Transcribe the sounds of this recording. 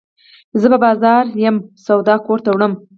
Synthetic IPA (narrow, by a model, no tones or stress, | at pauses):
zəbabɑzɑɾjəmsawd̪ɑkoɾt̪awɽəm